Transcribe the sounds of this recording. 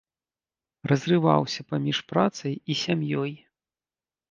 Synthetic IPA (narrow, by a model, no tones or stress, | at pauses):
rɐzrɨva̰wsʲɐpamʲiʂpɾat̪sɐjisʲamjɔj